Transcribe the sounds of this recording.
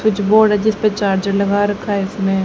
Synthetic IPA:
ʊt͡ʃboːɽɛd͡ʒɪspet͡ʃaːɾd͡ʒəɽləɡaːɾəkʰːaːɪsmẽ

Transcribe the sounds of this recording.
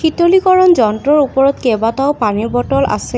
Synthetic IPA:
xitolikɔɹɔnzɔntɹɔɹupɔɹɔtkɛbataʊpaniɹbɔtɔlʔa̰sɛ

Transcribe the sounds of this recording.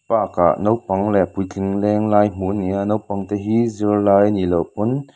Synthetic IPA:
paːka̰ʔnowpɐŋlɛpʊjkʰɪŋlɛːŋlaːjm̥uʔnianowpɐŋt̪ɛːɦizirlaːjnilowpʊn

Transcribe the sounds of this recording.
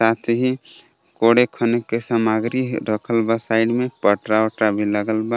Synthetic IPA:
sat̪ʰɦi | koɽekʰənekesamaɡɾiɾəkʰəlbasaɪɖmepəʈɾaɔɾʈɾabʱiləɡəlba

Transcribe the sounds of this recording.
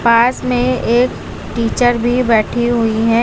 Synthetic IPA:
paːsmẽeːk | ʈiːt͡ʃəɾbʱibɛːʈʰiɦʊiɦɛ

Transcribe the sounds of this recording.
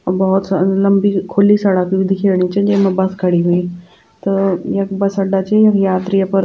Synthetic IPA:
bəɦut̪sləmbiːkʰoliːsəɽakiʋid̪ʱikʰeʋɳit͡ɕed͡ʑemɐbaskʰəɽiɦuiː | t̪əjekbɐsəɖat͡ɕejakjat̪ɾijapəɾ

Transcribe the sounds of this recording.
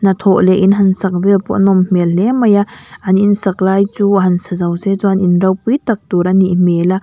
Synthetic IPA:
nɐt̪ʰɔʔlɛʔinɦɐnsak̚vɛlpɔ̰ʔnɔmmɛllɛmɐjaʔɐninsak̚laːjt͡suaɦɐnsazɐwzezɔanʔinɾɐwpujt̪ak̚t̪uɾaniʔmɛla

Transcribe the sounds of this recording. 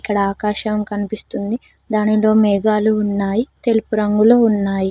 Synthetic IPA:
ikːɐɽɐaːkaːʃɐmkɐnipist̪und̪i | d̪aːnilo̞ːmɛːɡaːluːnːaːjit̪e̞lupuɾɐŋɡuloːunːaːji

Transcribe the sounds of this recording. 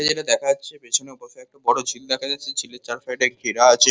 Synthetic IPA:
ed͡ʑeʈad̪ɛkʰaatːɕʰepet͡ɕʰoneɔpoʃoɛk̚ʈabɔɽod͡ʑʱild̪ɛkʰad͡ʑatːʰed͡ʑʰilːet͡ɕaɾfajʈeɾɡʱiɾaat͡ɕʰe

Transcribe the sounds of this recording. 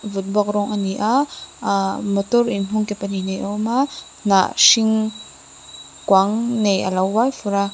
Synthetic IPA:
vut̪̚bɔk̚rɔŋʔaniʔa | mət̪ʊɾinɦuŋkɛpaninejʔɔma | na̰ʔsiŋ | kwaŋneja̰lawːajfuɾa

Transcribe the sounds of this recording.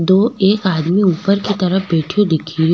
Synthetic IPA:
d̪oːeːkaːd̪miuːpəɾkit̪ɐɾəbeːʈʰijõd̪ɪkʰiː

